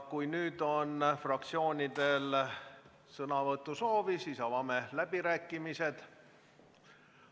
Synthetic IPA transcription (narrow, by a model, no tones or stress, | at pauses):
kujnyːd̪o̞nfrɑk̚t̪sio̞ːnʲid̪e̞l | sɤnɑvɤt̪ːˑuso̞ːvisiːsɑvɑme̞læb̥iɾæːkːimise̞d̪̥